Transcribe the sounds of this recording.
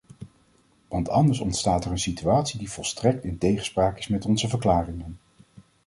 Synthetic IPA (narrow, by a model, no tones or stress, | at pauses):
ʋɑntʰɑndəɹsɔntstaːtɛɹənsityaːtsidiv̥ɔlˠstrɛk̚tɪntejχə̥spraːkɪ̥smɛtɔnzəvəɹklaːrɪŋən